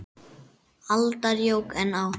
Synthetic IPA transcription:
alt̪aɾjowkɛnːaw

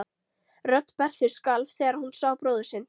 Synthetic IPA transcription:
rœt̪ːpɛr̥θɪ̥skalv̥θɛːɣaɾ̥hunsaːwpɾoːðʏsɪnː

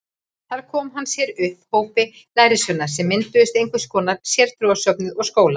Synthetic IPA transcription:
θaɾ̥kʰɔːmɦanːsjɛɾʏhphoːwpɪ | laːjɾɪsœnːaɾ̥sɛmːɪnt̪ʏðɪst̪ejŋkvʏskɔːnaɾsjɛɾ̥t̪ɾuasœpnɪðɔɣskoːwla

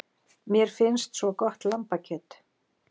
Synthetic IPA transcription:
mjɛɾ̥fɪnst̪svɔkɔht̪lampacʰɛt̪

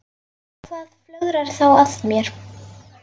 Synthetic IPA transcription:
kʰvaːðflœɣɾaɾ̥θawat̪mjɛɾ̥

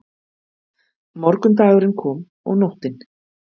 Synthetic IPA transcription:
mɔɾkʏnt̪̬aːɣʏɾɪnkʰɔːm | ɔ̰ɣnɔwht̪ɪn

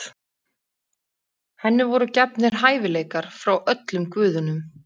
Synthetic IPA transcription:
hɛnːɪvɔɾʏcapnɪɾ̥ɦaːjvɪleːjkaɾ̥fɾawʔœt̪lʏmkvʏːðʏnʏm

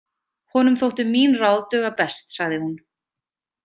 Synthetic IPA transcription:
hɔnʏmθowht̪ʏmiːnrawðt̪œːɣapɛst̪saɣðɪhun

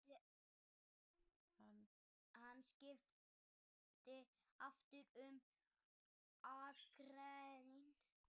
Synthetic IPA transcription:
han | hanːscɪf | t̪ɪaft̪ɪɾʏm | akɾɛðɪn

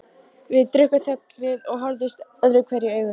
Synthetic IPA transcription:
vɪðt̪ɾʏhkʏθœknɪðɔɣɦɔɾðɪst̪œðɾʏkʰvɛɾjɪœːɥɣʏ

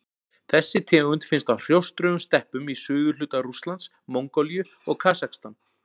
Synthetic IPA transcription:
θɛsːɪt̪ʰɛːɣʏnt̪fɪnst̪awr̥jowst̪ɾœʏmst̪ɛhpʏmisʏːɣʏl̥ʏːt̪aɾust̪lant̪s | mowŋkɔljʏ | ɔɣkʰaːsaxst̪an

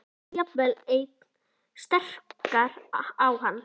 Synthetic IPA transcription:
japvɛlejt̪̚n | st̪ɛr̥kaɾawhanː

